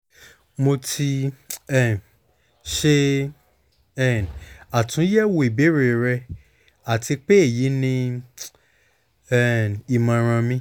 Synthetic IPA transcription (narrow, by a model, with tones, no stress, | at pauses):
mo˧tʰi˧ɛ˦˨n | ʃe˦ | ɛ˦˨na˨tʰũ˨˦jɛ˦wo˧i˨be˨˦ɾe˨ɾɛ˧ | a˦˨ti˧k͡pe˦e˦˨ji˨˦nĩ˧ | ɛ˦˨ni˨mã˧ɾ̃ã˧mĩ˧˦